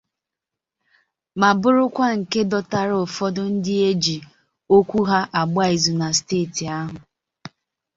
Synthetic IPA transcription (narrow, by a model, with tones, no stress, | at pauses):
ma˨bʊ˦ɾʊ˦kʷa˦ŋ̩˨ke˦dɔ˦ta˦ɾʊ˨fɔ˦dʊ˦n̩˦dɪ˦e˦d͡ʒi˨ | o˦kʷu˦ɦa˦ʔa˨ɡ͡ba˦i˨zu˨na˨steː˦˨ti˨a˦ɦʊ˨